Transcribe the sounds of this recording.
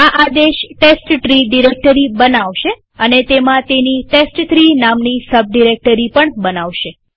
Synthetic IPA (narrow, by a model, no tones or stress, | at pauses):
aʔad̪eʃʈesʈʈɾiɖiɾek̚ʈəɾibənaʋʃe | ənet̪emãt̪eniʈesʈʈ̪ɾinamnisəb̚ɖiɾek̚ʈəɾipəɳbənaʋʃe